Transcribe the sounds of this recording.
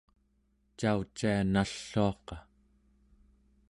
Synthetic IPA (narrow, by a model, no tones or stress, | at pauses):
t͡ʃaut͡ʃːianaɬːoɑqɑ